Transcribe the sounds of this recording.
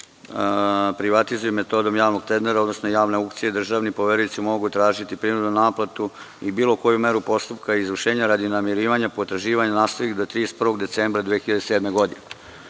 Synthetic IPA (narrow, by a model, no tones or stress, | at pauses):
pɾiʋat̪izujemːet̪o̞d̪o̞mjaːʋnoɡ̚t̪ɾend̪eɾao̞d̪nosnojaːʋne̞ukt̪sijed̪r̩ʒaːʋnipo̞ʋeɾuit̪simo̞ɡut̪ɾaːʒit̪ipɾinud̪nunaːplat̪u | ibiːlˠoko̞jume̞ɾupo̞st̪upkaizʋr̩ʃe̞ːɲaɾad̪inamiɾiːʋaɲapot̪ɾaʒiːʋaɲanaːst̪oʋikd̪ot̪ɾiːspr̩ʋo̞ɡd̪et̪seːmbɾad̪ʋijexiʎad̪eseːd̪me̞ɡo̞d̪ine